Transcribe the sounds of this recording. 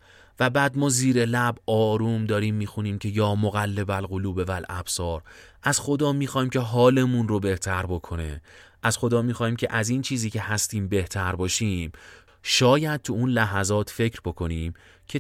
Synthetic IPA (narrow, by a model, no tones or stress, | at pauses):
væbæːd̪mɒːziːɾelæbʔɒːɾuːmd̪ɒːɾiːmːiːxuniːmcʰe̞jɒːmoɣælːe̞bælɣoluːbe̞vælʔæ̰b̥sɒːɾʔæz̥xo̞d̪ɒːmiːxɒːhiːmcʲʰe̞ɦɒːle̞munro̞be̞ht̪ʰæɾbo̞kʰo̞nḛ | ʔæz̥xo̞d̪ɒːmiːxɒːhiːmcʲʰe̞ʔæziːnt͡ʃʰiːziːcʰe̞hæst̪iːmbe̞ht̪ʰæɾbɒːʃiːm | ʃɒːjæd̪̚t̪ʰuunlæɦæzɒːt̪ʰfe̞cɾbo̞kʰo̞niːm | cʰe